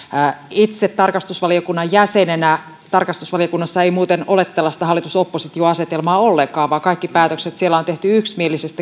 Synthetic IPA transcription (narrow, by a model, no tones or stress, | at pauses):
it̪set̪ːɑrkɑst̪usʋɑliokunːɑjjæsenenæ | t̪ɑrkɑst̪usʋɑlijokunːɑsːɑeimuːt̪enolet̪ːelːɑsi̥t̪æhɑlːˑit̪usopːosit̪ioɑse̞t̪elmɑːolːeŋkɑːʋʋɑːkɑikːipæːt̪økset̪sielːæont̪e̞ht̪yyksmielisest̪æ